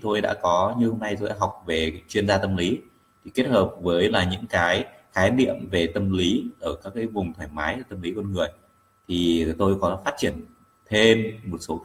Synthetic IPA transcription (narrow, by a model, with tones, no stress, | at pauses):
t̪ʰo˧jɗa̰ː˧˥kɔ˨˦ɲɨ˧ho˧mna˧jt̪o˧jɗa̰ː˧˥ɦa˨˩wk͡p̚ve˨˩t͡ɕwi˧ənzaː˧t̪ə˧mli˨˦ | t̪ʰi˨˩ke˦˥t̚həː˨˩p̚vəː˨˦jlaː˨˩ɲɨ̰˧˥ŋkaː˨˦j | xaː˨˦jɗḭ˧˨əmve˨˩t̪ə˧mli˨˦ʔəː˧˩kaː˦˥k̚ːaː˨˦jvʊ˨˩ŋ͡mt̪ʰwaː˧˩jmaː˨˦jʔə˧˩t̪ə˧mli˨˦kə˧nŋɨ˨˩əj | t̪ʰi˨˩t̪o˧jkɔ˨˦faː˦˥t̚t͡ɕi˧˩ən | t̪ʰe˧mːo˨˩t̚so˨˦